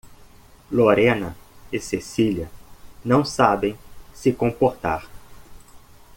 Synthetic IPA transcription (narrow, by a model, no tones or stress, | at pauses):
loɾẽnɐɪsesiliɐnɐ̃w̃sabẽj̃sɪkõpoɾt̪a̰ɾ